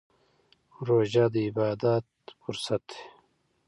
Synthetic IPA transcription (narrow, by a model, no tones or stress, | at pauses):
ɾoːʒad̪əibaːd̪at̪̚fuɾsɐt̪e̥